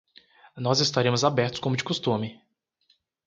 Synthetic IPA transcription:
nɔzɪst̪aɾẽmʊzabɛɾt̪ʊ̥skõmʊd͡ʒɪ̥kust̪ũmɪ

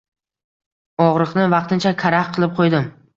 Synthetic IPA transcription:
ɒʁɾɨqnɪvɑq̚t̪ʰɪnt͡ʃʰakʲʰaɾahqʰɨlˠɪp̚qʰojd̪ɪm

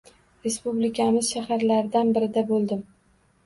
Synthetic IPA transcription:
ɾe̞spublɪkʲʰamɪz̥ʃahaɾlaɾɪd̪anbɪɾɪd̪abolˠd̪ɪm

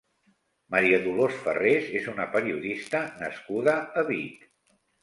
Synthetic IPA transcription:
məɾiəðulosfə̰rezezunəpəɾiuðist̪ənəskuðəəβit̪

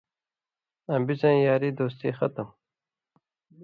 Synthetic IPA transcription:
ɐmbizãnjaːɾiːd̪oːst̪iːxɐt̪əm

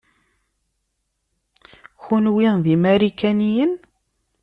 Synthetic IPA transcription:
çunwiðimaɾikænijən

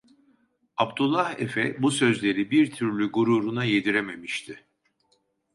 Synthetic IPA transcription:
abt̪ulˠːahefɛbusø̞zlʲe̞ɾibiɾt̪ʰyɾlʲyɡuɾuɾunaje̞d̪iɾeme̞miʃt̪ʰɪ

